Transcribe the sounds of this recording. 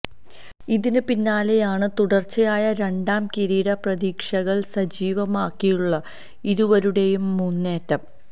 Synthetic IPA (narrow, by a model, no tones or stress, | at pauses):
iðinɨpinːaːle̞jaːɳɨt̪uɽɐrt͡ɕːɐjaːjɐɾe̞ɳɖaːmkiɾiːɾɐprɐðiːkʂɐɣɐɭsɐd͡ʑiːʋɐmaːkːijuɭːɐ | iɾuʋɐɾuɽe̞jumːuːnːe̞ːtːɐm